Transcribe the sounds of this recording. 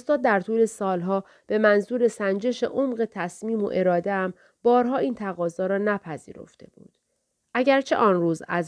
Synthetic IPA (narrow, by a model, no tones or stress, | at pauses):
ost̪ɒːd̪̚ːæɾt̪ʰuːle̞sɒːlɦɒː | b̥e̞mænzuːɾe̞sænd͡ʒe̞ʃḛʔomɢe̞t̪ʰæsmiːmo̰ʔe̞ɾɒːd̪eæm | bɒːɾɦɒːiːnt̪ʰæɣɒːzɒːɾɒːnæpʰæzḭːɾo̰ft̪ʰe̞̰b̥ṵːd̪̥ | ʔæɟæɾt͡ʃʰe̞̰ʔɒːnruːzæ̰z